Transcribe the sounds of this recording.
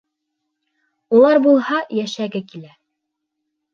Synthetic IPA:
ulˠɑɾbulˠhɑjæʃæɡɘkilæ

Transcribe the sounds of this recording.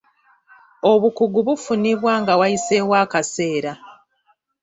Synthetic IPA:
o̞βukuɡuβufuniβwaːŋɡawajise̞ːwaːkase̞ːɾa

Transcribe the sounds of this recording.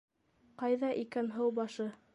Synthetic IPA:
qɑjðɑʔikænɦɤwbɑʃɤ

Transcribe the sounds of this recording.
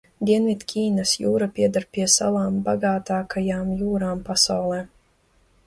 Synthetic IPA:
d̪ʲiɛnvʲit̪kʰʲiːnasjuːɾapʲiɛd̪aɾpʲiɛsa̰laːmbaɡaːt̪aːkajaːmjuːɾaːmpasawlˠɛː

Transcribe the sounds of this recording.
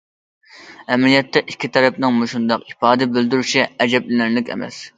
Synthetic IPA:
ɛmlijɛt̪ʰːɛʔikʲʰːit̪ʰɛɾɛpnɨŋmuʃund̪ɑqipɑːd̪ɪbɪld̪yɾyʃiɛd͡ʒɛblɪnænlɪkʲɛ̰mɛ̰s

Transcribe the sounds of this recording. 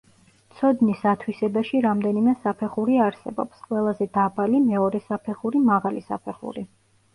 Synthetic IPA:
t̪sʰɔd̪nisat̪ʰwisɛbaʃiɾamd̪ɛnimɛsapʰɛχuɾiaɾsɛ̰bɔ̰psqʼwɛlˠazɛd̪abalimɛɔɾɛsapʰɛχuɾimaʁalisa̰pʰɛχṵɾi

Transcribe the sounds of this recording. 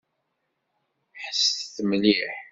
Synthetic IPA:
ħəsθθmliħ

